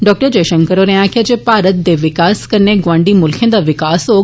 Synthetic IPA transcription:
ɖɔːk̚ʈəɾd͡ʑɐjʃə̃ŋkəɾoɾɐãkʰad͡ʒepaːɾət̪̚d̪eʋɪkaːskɐɾneɡʋãːɳɖimʊlkʰjə̃nd̪aʋɪkaːso

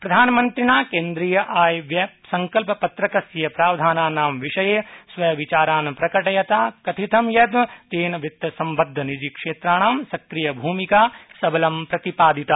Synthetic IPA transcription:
pɾɐd̪ʱaːnɐmɐnt̪ɾiɳaːkeːnd̪ɾijɐʔaːjʋjɐsɐŋkɐlpɐpɐt̪ɾɐkɐsjjɐpɾaːʋd̪ʱaːnaːnaːmʋiʂɐjeːsʋɐjɐʋit͡ʃaːɾaːnɐpɾɐkɐʈɐjɐt̪aːkɐt̪ʰit̪ʰɐmjɐd̪mɐt̪eːnɐʋit̪ːɐsɐmbɐd̪ʱːɐnid͡ʒikʂeːt̪ɾaːɳ̃aːmsɐkɾijɐbʱuːmikaːsɐbɐlɐmpɾɐt̪ipaːd̪it̪a

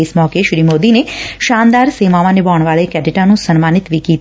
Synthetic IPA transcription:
esmɔːkeʃɾimod̪ineʃãnd̪aɾsemaʋanebɔːɳ̃ʋaɭekɛʈiʈanũsənmanɪt̪ʋikit̪

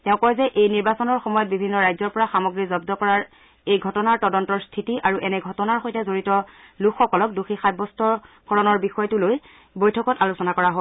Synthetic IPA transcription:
tɛʊ̃kɔjzɛʔejniɹbasɔnɔɹxɔmɔjɔt̚bibʱinːɔɹajzɔɹpɔɹaxamɔɡɹizɔbdɔkɔɹaɹ | ejɡʱɔtɔnaɹtɔdɔntɔɹstʰitiʔaɹuʔɛnɛɡʱɔtɔnaɹxojtɛzoɹitɔlukʰxɔkɔlɔk̚duxixajbɔstʰɔkʰɔɹɔnɔɹbixɔjɔtuloj | bojtʰɔkɔtalusɔnakɔɹaɦɔ

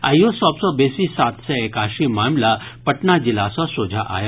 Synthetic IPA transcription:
a̰josɔːbsɔbeːsisaːt̪ʰseeːkaːʃimaːmlapɐʈnad͡ʒilasɔsoːd͡ʒʱaʔa̰ːja

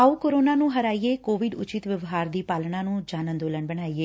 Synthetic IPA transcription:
auːkoːɾoːnaːnũːɦəɾaːiːeːkoːʋɪɖʊ̰t͡ʃɪt̪ʋəʋɦaːɾd̪iːpaːlɳãːnũːd͡ʒaːnə̃nd̪oːləɳbəɳ̃aːiːeː

